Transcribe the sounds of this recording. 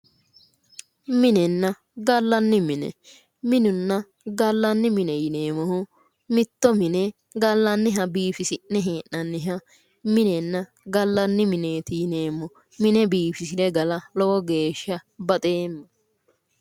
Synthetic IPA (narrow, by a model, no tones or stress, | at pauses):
mɪnɛnːɐ | ɡɐlːɐnːɪmɪnɛ̰ | mɪnʊnːɐ | ɡɐlːɐnːɪmɪnɛjɪneːmɔhʊ | mɪt̪ːɔmɪnɛ | ɡɐlːɐnːɪɦɐbiːfɪsɪnːɛɦeːʔnɐnːɪɦɐ | mɪnɛnːɐ | ɡɐlːɐnːɪmɪne̞ːt̪ɪjɪneːmːɔ | mɪnɛbiːfɪsɪdɛɡɐlɐlɔwɔɡe̞ːʃːɐbɐt̪ʼeːmːɐ